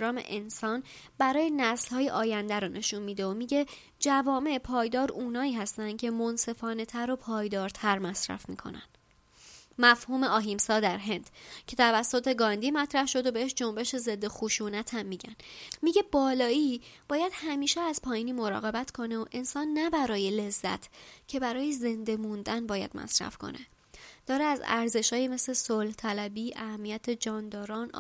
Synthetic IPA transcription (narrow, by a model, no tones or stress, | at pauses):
ɾɒːmḛʔensɒːn | bæɾɒːjenæslhɒːje̞ʔɒːjænd̪æɾonʔe̞ʃunmiːd̪eomiːɟe̞ | d͡ʒævɒːme̞pʰɒːjd̪ɒːɾʔuːnɒːiːɦæst̪ænd̪̥cʲʰe̞mo̞nse̞fɒːne̞t̪ʰæɾo̞pʰɒːjd̪ɒːɾt̪ʰæɾmæsɾæ̰fmḭːkʰo̞̰næ̰nd̪̥ | mæfhuːme̞ɒːɦimsɒːd̪æɾɦe̞nd̪̥cʰe̞t̪ʰævæsːot̪ʰe̞ɡɒnd̪iːmæt̪ʰɾæhʃo̞d̪obe̞eʃd͡ʒo̞mbe̞ʃe̞ze̞d̪ːe̞xuʃuːnæt̪ʰæmːiːɟæ̰nmiɟe̞bɒːlɒːiːb̥ɒːjæd̪̥hæmiːʃeæzpʰɒːjiːniːmo̞ɾɒ̰ːɣe̞bæt̪ʰkʰo̞neoʔe̞nsɒːnːæbæɾɒːje̞le̞zːæ̰t̪ʰcʰe̞bæɾɒːjeze̞nd̪e̞mund̪ænbɒːjæ̰d̪̥mʔæ̰sɾæ̰fkʰo̞̰nʔe | d̪̥ɒːɾeæzæ̰ɾze̞ʃɒːjime̞sle̞solht̪ʰælæbiːʔæhæmːijæt̪ʰed͡ʒɒːnd̪ɒːɾɒːn̰